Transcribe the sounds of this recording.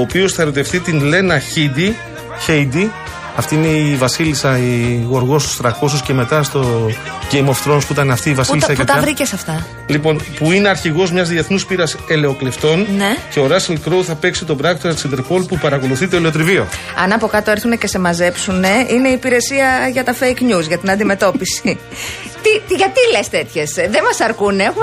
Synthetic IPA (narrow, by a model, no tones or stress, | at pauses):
oːpio̞sθɐe̞ɾo̞t̪e̞fθit̪inle̞nɐçid̪i | çejd̪i | ɐft̪iineivɐsilisɐiɣo̞ɾɣo̞st̪u̥st̪ɾɐkos̬usce̞me̞t̪ɐst̪o̞ | ɟejmoft̪ɾo̞nspuit̪ɐneɐft̪iːvɐsilisɐeɐt̪ɐɐvɾicesɐft̪ɐ | lipo̞npuine̞ɐɾçiɣo̞zmɲɐzðieθnuspiɾɐse̞le̞o̞kle̞ft̪o̞nnece̞o̞ɾɐselkɾowθɐpe̞ksit̪o̞bɾɐɣt̪osɐt̪isind̪eɾpo̞lpupɐɾɐko̞luθit̪eoleo̞t̪̬ɾivio̞ɐ̰nɐpo̞kɐt̪oeɾθune̞ce̞se̞mɐze̞psune̞ine̞iːpiɾe̞siɐʝɐt̪ɐfejknuzʝɐt̪inɐnd̪ime̞t̪o̞pisii | t̪it̪ʝɐt̪ilest̪e̞t̪çe̞sðemɐsɐɾkunex